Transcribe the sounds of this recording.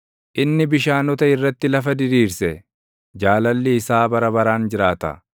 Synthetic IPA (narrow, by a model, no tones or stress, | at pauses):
ʔɪnːɪbɪʃaːnɔt̪ɐɪrːɐt̪ːɪlɐfɐd̪ɪɾiːɾsɛ | d͡ʒaːlɐlːɪːsaːbɐɾɐbɐɾaːnd͡ʒɪɾaːt̪ɐ̰